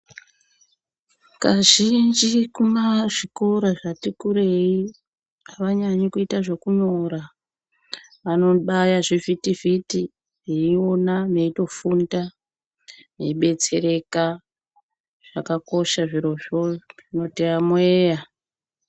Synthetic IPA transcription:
kaʒind͡ʒikumaʐikoɾaʐatikuɾe̞i | aʋaɲaɲikuitaʐe̞kuɲo̞ɾa | ano̞ɓajaʐivitiviti | ʐeio̞nane̞ito̞funda | ne̞iɓe̞t͡se̞ɾe̞ka | ʐ̥akako̞ʃaʐiɾo̞ʐoʐino̞tiamweːja

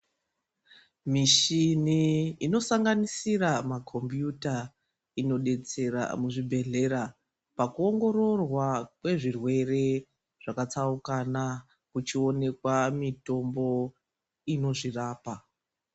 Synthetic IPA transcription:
miʃiniːno̞saŋɡanisiramakʰo̞mbjuta | ino̞ɗe̞t͡se̞ɾa̰muʐibʱe̞ɮe̞ɾa | pakuo̞ŋɡo̞ɾo̞rwakwe̞ʐirwe̞re̞ | ʐ̥akat͡saukana | kut͡ʃio̞ne̞kwamito̞mbo̞ | ino̞ʐiraːpa

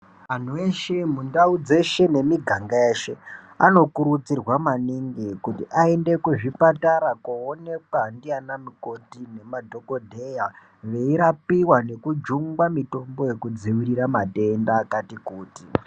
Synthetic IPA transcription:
an̤ueʃe̞mundaud͡ze̞ʃe̞ne̞miɡʱaŋɡaeːʃe̞ | ano̞kuɾut͡sirwamaniŋɡikutiʔae̞nde̞kuʐipataɾakuone̞kwandianamiko̞tine̞madʱo̞ko̞dʱeja | ʋe̞iɾapiwane̞kud͡ʒuŋɡwamito̞mbo̞je̞kud͡ziwiɾiɾamate̞ndaːkatikuːti

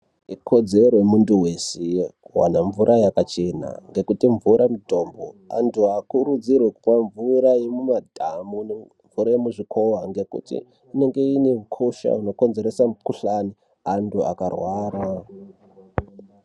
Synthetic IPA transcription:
ikʰo̞d͡ze̞ɾoemunduwe̞sewa̰naɱvuɾʔajakat͡ʃe̞na̰ŋɡe̞kutiɱvuɾamuto̞ːmbo̰a̰ntʰuakuɾud͡zirweku̥pwaɱvuɾaemumadʱamune | ɱvuɾajemuʐikʰo̞waŋɡe̞kṵtḭː | ne̞ŋɡe̞iniukʰoʃa̰uno̞ko̞nze̞ɾesakuɬani | antua̰karwaːɾa

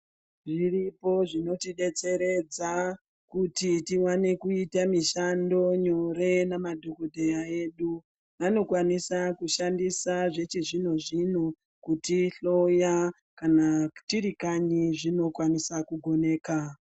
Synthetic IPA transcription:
ʐiripo̞ʐino̞tiɗe̞t͡se̞ɾe̞d͡za | kutitiwane̞kuitamiʃando̞ɲo̞ɾe̞namadʱo̞kodʱejae̞ɗu | ʋano̞kwanisakuʃandisaʐe̞t͡ʃiʐin̤oʐin̤u | kutiɬo̞ja | kanatiɾikaɲiʐino̞kwanisakuɡʱo̞ne̞ːka

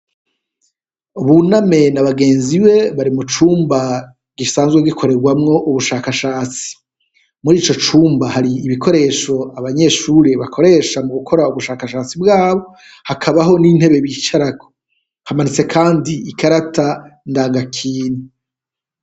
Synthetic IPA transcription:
uβuname̞naβaɡe̞ːnziβe̞βaɾimut͡ʃuːmba | ɡisaːnzɡweɡikʰo̞ɾe̞ɾɡwamŋo̞ʔuβuʃaːkaʃaːt͡si̥ | muɾiːt͡ʃo̞t͡ʃuːmbahaɾiːβikʰo̞ɾe̞ːʃo̞aβaɲe̞ʃuːɾeβakʰo̞ɾe̞ːʃamuɡukʰo̞ɾauβuʃaːkaʃaːt͡sibɡaːβo̞ | hakʰaβaɦo̞nin̥he̞βe̞βiːt͡ʃaɾako̥ | hamanit͡se̞kʰaːndiikaɾatandaːŋɡakʰiːni

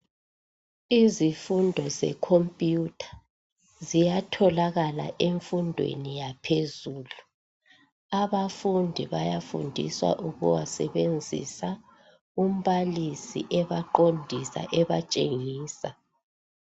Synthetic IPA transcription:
izifundʱɔzɛ̰kʰompʼiutʰḁ | zijatʰɔlaɣala̰ʔeɱfundʱwḛnijapʰezuːlu | aβafundʱiβajafṵndʱḭswa̰ʔuɣṵwasɛβend͡zʱḭsa | um̩βalisḭʔɛβaǃondʱisa̰ʔɛβat͡ʃʼeŋiːsa

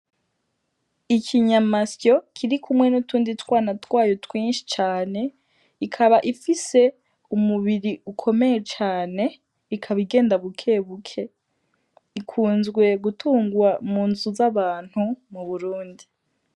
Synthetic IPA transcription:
ikʰiɲamasjo̞kʰiɾikumwe̞nutuːnditwaːnatwaːjotwiːnʃi̥t͡ʃaːne̞ | ikʰaβaʔifise̞ | umuβiɾiukʰo̞me̞jet͡ʃaːne̞ | ikʰaβiɡe̞ːndaβukʰe̞βukʰe̞ | ikʰuːnzɡwe̞ɡutʰuːŋɡuwamuːnzuzaβaːn̥humuβuɾuːndi

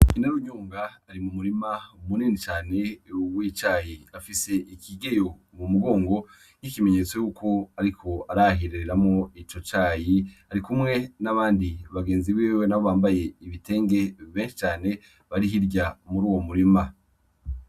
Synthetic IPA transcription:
inaɾuɲuːŋɡaːɾimumuɾimaumuniːnit͡ʃaːne̞wit͡ʃaːjiafise̞ʔikʰiɡe̞jo̞ | mumuɡo̞ːŋɡo̞ | n̥ikime̞ɲeːt͡se̞jukʰo̞aɾikʰo̞aɾaɦiɾeɾeɾamŋo̞it͡ʃot͡ʃaːjiaɾikumŋe̞naβaːndiβaɡe̞ːnziβiːwenaβoβaːmbaje̞iβite̞ːŋɡe̞βe̞ːnʃi̥t͡ʃaːne̞ | βaɾiɦiɾɟamuɾuːwo̞muɾima

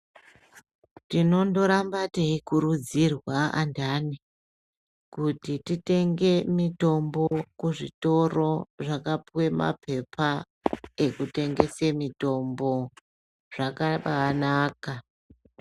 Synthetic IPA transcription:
tino̞ndo̞ɾambateikuɾud͡zirwaa̰ndani | kutitite̞ŋɡe̞mito̞mbo̞kuʐito̞ro̞ʐakapwe̞ma̰pʰe̞pʰa | e̞kute̞ŋɡe̞semito̞mbo̞ | ʐ̥akaɓanaːka

